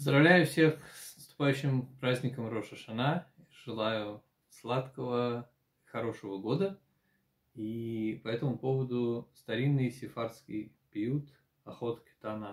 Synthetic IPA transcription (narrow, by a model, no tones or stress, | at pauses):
pəzd̪ɾɐvlʲæjʊfsʲexsnəst̪ʊ̥pajʉɕːɪmpɾazʲnʲɪkəmɾoʂəʂɐna | ʐ̥ɨlˠajʊ | slˠat̪kəvə | ixɐɾo̞ʂəvəɡo̞d̪ə | ipɐɛt̪əmʊpo̞vəd̪ʊst̪ɐɾʲinːɨjsʲɪfarskʲɪ̰j | pʲɪjut̪ | ɐxo̞t̪kʲɪ̥t̪anə